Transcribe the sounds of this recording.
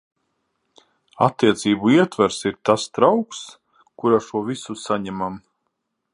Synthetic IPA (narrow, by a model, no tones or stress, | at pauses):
a̰t̪ːiɛt̪siːbuiɛt̪vaɾsiɾt̪ast̪ɾawks | kuɾaʃuɔvisusaɲɛmam